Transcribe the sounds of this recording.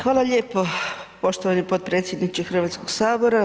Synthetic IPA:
xʋaːlˠaʎeːpo̞po̞ʃt̪oʋanipot̪̚pɾet̪sʲje̞d̪nit͡ʃixr̩ʋat̪skoɡsaːbo̞ɾa

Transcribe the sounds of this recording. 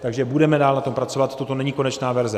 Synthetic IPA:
t̪aɡʒɛbudɛmɛdaːlnat̪o̞mpɾat͡so̞vat̪ːot̪o̞nɛɲiko̞nɛt͡ʃnaːvɛɾzɛ

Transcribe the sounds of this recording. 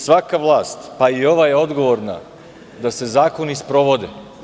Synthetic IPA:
sʋakaʋlˠaːst̪paio̞ʋajeo̞d̪ɡo̞ʋo̞ɾna̰ | d̪ase̞zaːko̞nispɾo̞ʋo̞d̪ḛ

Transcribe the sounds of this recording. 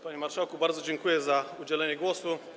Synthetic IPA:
paɲimaɾʂawkubaɾd̪zɔd͡ʑɛŋkujɛzaud͡ʑɛlɛɲɛɡwɔsu

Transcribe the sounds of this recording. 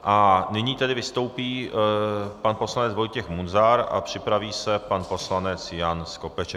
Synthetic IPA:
ʔanɪɲiːt̪ɛdɪvɪst̪o̞wpiː | panpo̞slanɛt͡svo̞jcɛxmunzaɾa̰pr̝̥ɪpɾaviːsɛpanpo̞slanɛt͡sjansko̞pɛʃɛ

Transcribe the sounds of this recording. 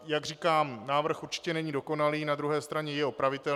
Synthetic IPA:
jaɡrikaːmnaːvr̩xuɾt͡ʃɪ̥cɛnɛɲiːdo̞ko̞naliːnad̪ɾuɦɛːst̪ɾaɲɛjɛo̞pɾavɪt̪ɛ

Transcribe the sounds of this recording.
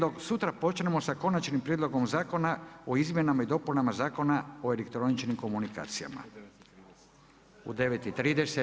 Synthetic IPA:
osut̪ɾapo̞t͡ʃne̞mo̞sako̞nat͡ʃnimpɾjed̪lo̞ɡo̞mzaːko̞nao̞izmʲje̞namaid̪o̞punamazaːko̞nao̞e̞lekt̪ɾo̞nit͡ʃnimko̞munika̰ːt̪sija̰ma̰ | ṵd̪e̞ʋet̪it̪ɾiːd̪ese

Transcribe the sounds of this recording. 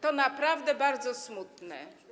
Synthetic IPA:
t̪ɔnapɾavd̪ɛbaɾd̪zɔsmut̪nɛ̰

